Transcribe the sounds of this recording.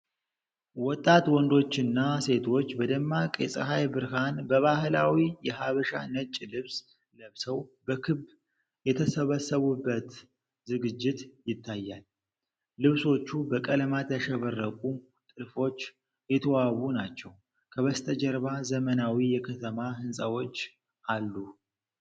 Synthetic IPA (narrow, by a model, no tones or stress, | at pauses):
wɔt̪ʼːat̪wɔnd̪o̞t͡ʃːɪnːase̞t̪ʰo̞t͡ʃːbəd̪əmːakʼjɛsʼə̰ɦajbɨɾɦanbəβahlawijɛɦaβəʃa̰nət͡ʃʼlɨβs | ləβsəwbəkʰɨb | jɛt̪ʰəsəβəsːəβubːət̪ | zɨɡɨd͡ʒːɪt̪jɪt̪ʰːajːalː | ɨβso̞t͡ʃːubəkʼələmat̪ʰəʃɛβərːəkʼu | t̪ʼɨlfo̞t͡ʃː | jɛt̪ʰəwawunat͡ʃːɛw | kʰəβəst̪ʰəd͡ʒɛɾβazəmənawijɛkʰət̪ʰəmaɦɨnsʼawo̞t͡ʃː | ʔalːu